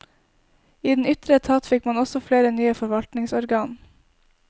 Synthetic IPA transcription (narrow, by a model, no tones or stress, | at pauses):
iːd̪n̩ʏt̪ɾət̪ʰɑt̪fɪkmɑnɔsɔfleːɾənyːəfɔɾʋɑlt̪nɪŋsɔɾɡɑːn